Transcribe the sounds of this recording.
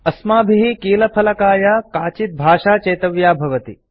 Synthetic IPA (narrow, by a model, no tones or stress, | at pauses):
ɐsmaːbʱiɦikiːlɐpʰɐlɐkaːjakaːt͡ʃit̪̚bʱaːʃaːt͡ʃɐjt̪ɐʋjaːbʱɐʋɐt̪i